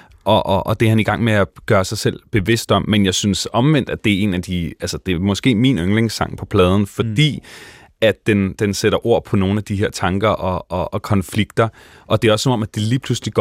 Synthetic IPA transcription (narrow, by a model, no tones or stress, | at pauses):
ʔɒ̽ʔʔːd̥eæɐhæniɡ̥ɑ̈ŋ̰meæɡ̥ɶːɐsɑ̈ɪsel̰b̥e̝ʋe̝sd̥ɒ̽mːenjɑ̈ɪsynsɒ̽mʋen̰d̥æd̥e̝æɐe̝̰ːnæd̥iælsəd̥e̝mɒ̽sɡ̥e̝̰ːminøŋle̝ŋsɑ̈ŋ̰pʰɒ̽pʰlɛːð̞ˠn̩fɒ̽d̥ḭː | æd̥d̥end̥enseɾ̥ɐʔo̝ɐ̰pʰɒ̽no̝ːn̩æd̥iɦeɐt͡sʰɑ̈ŋɡ̥ɐʔɒ̽ɒ̽ːkʰɒ̽nfliɡ̥d̥ɐ | ʔɒ̽d̥e̝ɒsːɒ̽mɒ̽mæd̥iliːpʰlusliɡ̥